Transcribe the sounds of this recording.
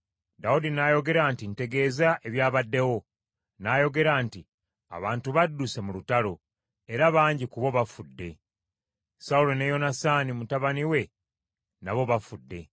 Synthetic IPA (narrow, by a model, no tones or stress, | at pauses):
daudinajo̞ɡe̞ɾaːntin̩te̞ɡe̞ːzaʔe̞βjaːβadːe̞wo̞ | naːjo̞ɡe̞ɾaːnti | a̰βaːntuβadːuse̞mulutalo̞ | e̞ɾaβaːɲɟikuβo̞βafudːe̞ | saulo̞nejo̞nasanimutaβaniwe̞ | naβo̞βafudːe̞